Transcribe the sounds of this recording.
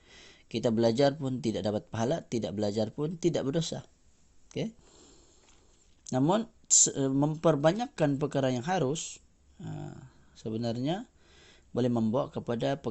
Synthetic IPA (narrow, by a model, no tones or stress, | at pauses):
kit̪abəlad͡ʒarpʊnt̪idaʔdapat̪̚paɦalat̪ida̰ʔbəlad͡ʒarpʊnt̪idaʔbədosa̰ | oke | namʊn | səəməmpərbaɲakːanpəkaɾanjaŋɦaɾʊs | ə̰ | səbənarɲa | bolɛhməmbaa̰ʔkəpadapə